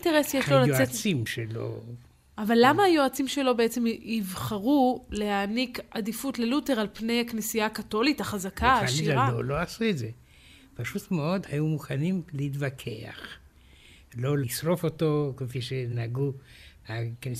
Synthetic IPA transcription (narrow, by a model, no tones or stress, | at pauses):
teʁesjeʃlolajoet͡simʃelo̰ | ʔavalːamaːjo̞at͡simʃe̞lo̞beet͡se̞mivχaʁule̞haːnikadifutlelute̞ʁalpne̞jaknisijaːkato̞litaχazakʰaaːalʃiaʁado̰lo̞asuetze | paʃutmeo̞dhajumuχanimleitvakʰe̞a̰χ | lo̞lisʁo̞fo̞to̞kefiʃenaɡu | akni